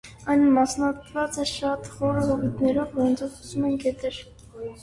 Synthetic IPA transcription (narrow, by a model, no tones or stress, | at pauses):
ɑjnəmɑsnɑt̪ʰvɑt͡sɛʃɑt̪χɔɾəɦɔvit̪nɛɾɔvvɔɾɔnt͡sʰɔvχɔsumɛnkɛt̪ɛɾ